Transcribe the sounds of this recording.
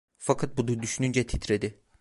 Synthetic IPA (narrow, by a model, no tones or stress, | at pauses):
fakʰat̪̚bud̪ud̪yʃynynd͡ʒɛt̪ʰit̪ɾed̪ɪ